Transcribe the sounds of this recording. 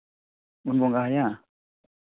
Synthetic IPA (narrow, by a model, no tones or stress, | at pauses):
unbɔŋɡahaja